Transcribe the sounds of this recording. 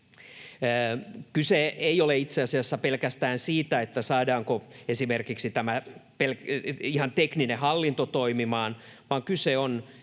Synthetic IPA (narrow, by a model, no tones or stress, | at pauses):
kyseeioleit̪seɑsiɑsːæpelkæst̪æːnsiːt̪æet̪ːæsɑːdɑːŋkoesimerkiksit̪æmæpelihɑnt̪ekninehɑlːint̪ot̪oimimɑːnʋɑːŋkyseon